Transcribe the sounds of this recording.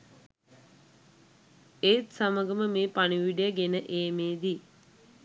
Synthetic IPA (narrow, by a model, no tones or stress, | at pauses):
et̪saməɡəməmeːpaniʋiɖejəɡenəʔeːmeːd̪i